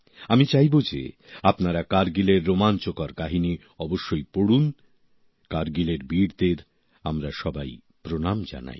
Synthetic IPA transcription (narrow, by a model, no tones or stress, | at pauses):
amit͡ɕajbod͡ʑḛ | apnaɾakaɾɡileɾːomant͡ɕokaɾkaɦini | ɔboʃːojpoɽun | kaɾɡileɾbiɾd̪eɾ | amɾaʃɔbaj | pɾonamd͡ʑa̰na̰j